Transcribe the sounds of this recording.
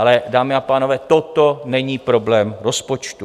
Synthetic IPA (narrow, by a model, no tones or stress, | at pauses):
alɛdaːmɪapaːnovɛːt̪ot̪onɛɲiːpɾo̞blɛːmɾospo̞t͡ʃt̪u